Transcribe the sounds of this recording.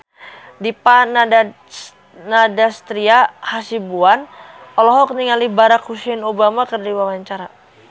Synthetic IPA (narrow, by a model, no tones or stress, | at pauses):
dipana | nadast̪ɾiahasibuanɔlɔɦɔk̚niŋalibaɾakhusɛnobamakərdiwawaɲt͡ʃaɾa